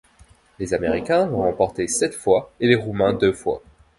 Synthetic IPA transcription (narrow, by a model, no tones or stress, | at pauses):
lezameʁikʲɛ̃vɔ̃ʁɑ̃pɔʁt̪esɛt̪fwaeleʁumɛ̃d̪øfwa̰